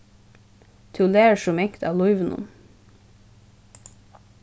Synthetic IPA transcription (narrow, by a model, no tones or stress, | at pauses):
t̪ʰʊleːʃʊmɛŋkt̪ɑ̰ːlɔʏʋənʊ̰m